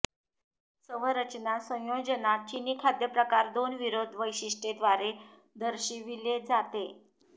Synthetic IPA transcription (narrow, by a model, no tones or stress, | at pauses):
səʋ̤əɾət͡ɕnasə̃w̃jod͡ʑənat͡ɕinikʰad̪jəpɾəkaɾd̪onʋiɾod̪ʱʋəjɕiʂʈed̪ʋaɾe | d̪əɾɕiʋiled͡zat̪e